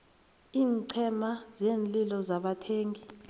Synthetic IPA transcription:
iːnǀʰɛmazeːnlilɔzaɓatʰeːŋɡi

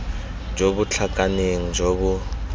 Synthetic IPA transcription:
d͡ʒobut͡ɬʰakʼaneŋ̩d͡ʒobʊ

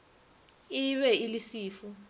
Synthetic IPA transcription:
iβɛilisiːfu

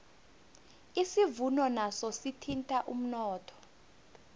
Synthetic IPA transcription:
isivunɔnasɔsitʰintʼaʔum̩nɔːtʰɔ̥

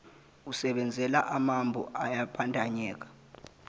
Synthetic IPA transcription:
usɛɓɛnd͡zʱɛlaʔamambʱṵʔajapʰantʼaɲɛːk̬ḁ

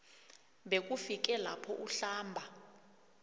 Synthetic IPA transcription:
ɓek̬ʼufik̬ʼɛla̰pʰɔʔuɬaːmbʱa

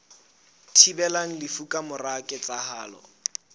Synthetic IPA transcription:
tʰibɛlaŋ̩lɪfukʼamʊrakʼɪt͡sʼahaːlɔ̰

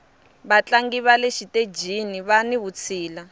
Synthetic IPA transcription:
βat͡ɬaŋɡiβaleʃited͡ʒiniβaniβut͡sʰiːla

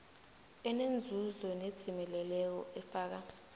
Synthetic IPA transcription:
ɛnend͡zʱuzɔned̥ʰʱimɛlɛlɛk̬ɔ̰ʔɛfaːk̬a

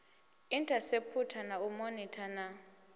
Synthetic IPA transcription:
intʼasepʰutʰanaumonitʰana

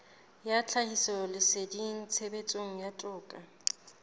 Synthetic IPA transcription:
jat͡ɬʰahisɔlɪsediŋ̩t͡sʰebet͡sʼoŋ̩jatʼʊːkʼa

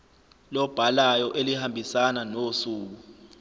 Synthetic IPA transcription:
lɔb̥ʱalajɔʔelihambʱisananosuːk̬u

